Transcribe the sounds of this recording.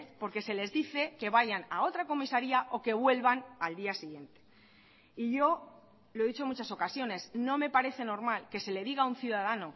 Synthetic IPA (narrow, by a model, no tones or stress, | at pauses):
po̞ɾke̞se̞le̞zðiθe̞ke̞βaʝanao̞t̪ɾako̞misaɾiaʔo̞ke̞βwe̞lβanald̪iasiɣje̞nt̪e̥ | iʝo̞ | loe̞ðit͡ʃomut͡ʃaso̞kasjo̞ne̞sno̞me̞paɾe̞θe̞no̞ɾmalke̞se̞le̞ðiɣaun̟θjuðaðano̞